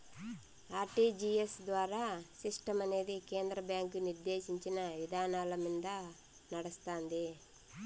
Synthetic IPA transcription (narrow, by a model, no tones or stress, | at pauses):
aːɾʈid͡ʒiesd̪ʋaːɾaːsiʂʈɐmɐne̞ːd̪ike̞ːnd̪ɾɐbjaːŋkuniɾd̪eːʃiɲt͡ʃinɐʋid̪ʱaːnaːlɐmind̪ɐ | nɐɽɐst̪aːnd̪i